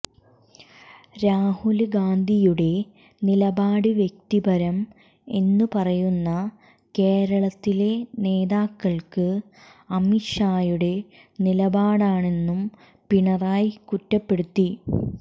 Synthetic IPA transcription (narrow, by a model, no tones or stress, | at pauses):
ɾaːhulɡaːnd̪ʱijuɽe̞ | nilɐbaːɽɨʋje̞k̚t̪ibɐɾɐm | e̞nːupɐrɐjunːɐ | ke̞ːɾɐɭɐt̪ːile̞ne̞ːðaːkːɐɭkɨ | ɐmiʂaːjuɽe̞ | nilɐbaːɽaːɳe̞nːum | piɳɐraːjikutːɐpːe̞ɽut̪ːi